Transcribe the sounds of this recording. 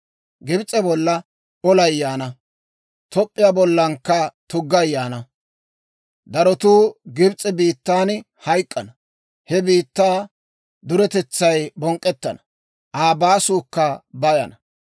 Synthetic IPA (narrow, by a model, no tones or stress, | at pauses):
ɡɪbt͡sʼːɛbɔlːɐ | ɔlɐjːaːnɐ | t̪ɔpʼːɪjaːbɔlːɐŋkːɐt̪ʊɡːɐjːaːnɐ | d̪ɐɾɔt̪uːɡɪbt͡sʼːɛbiːt̪ːaːn | hɐjkʼːɐnɐ | hɛbiːt̪ːaː | d̪ʊɾɛt̪ɛt͡sːɐjbɔŋkʼːɛt̪ːɐnɐ̥ | ʔaːbaːsuːkːɐbɐjɐ̰nɐ